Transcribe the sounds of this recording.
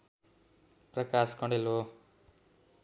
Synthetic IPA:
prʌkaskʌɳɖelo

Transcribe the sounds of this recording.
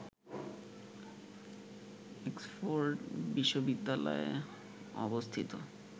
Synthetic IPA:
ekspoɾʈbiʃːobid̪ːalɔ̰ḛ | ɔ̰bost̪ʰit̪o

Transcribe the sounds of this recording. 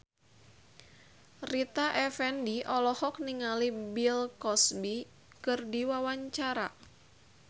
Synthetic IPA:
rit̪aʔɛfɛndiʔɔlɔhɔk̚niŋalibilkɔsbi | kɨrdiwawaɲt͡ʃaɾa

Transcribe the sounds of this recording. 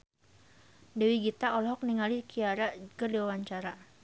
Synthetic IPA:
dɛwiɡit̪aɔlɦɔk̚niŋalikiaɾakərdiwawaɲt͡ʃaɾa

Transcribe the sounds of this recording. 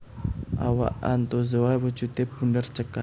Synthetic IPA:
ʔa̰wa̰ʔa̰nt̪ozoawət͡ʃut̪ebundərt͡ʃəka

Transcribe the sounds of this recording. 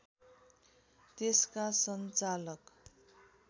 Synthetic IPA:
t̪eskasʌnt͡salʌk

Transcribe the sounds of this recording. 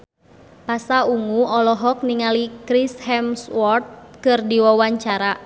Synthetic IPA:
pasauŋuɔlɔɦɔk̚niŋalikɾishɛmswɔrt̪̚kɨrdiwawaɲt͡ʃaɾa

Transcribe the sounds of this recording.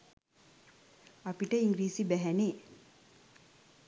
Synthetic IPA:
apiʈəiŋɡɾiːsibæɦæne

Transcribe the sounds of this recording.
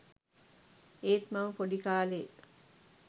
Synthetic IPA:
eːt̪maməpoɖikaːleː

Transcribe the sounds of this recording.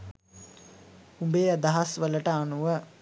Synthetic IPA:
umbeːəd̪aɦasʋələʈəanuʋə

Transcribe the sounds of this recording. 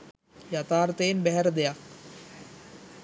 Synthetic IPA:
jat̪aːɾət̪əjenbæɦæɾəd̪ejak

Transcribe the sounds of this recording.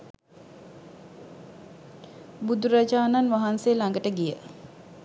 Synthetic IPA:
bud̪uɾad͡ʒaːnanʋaɦansejːlaŋɡəʈəɡijə

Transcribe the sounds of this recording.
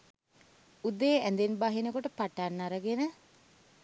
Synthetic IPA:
ud̪eænd̪enbaɦinəkoʈəpaʈanːaɾəɡenə

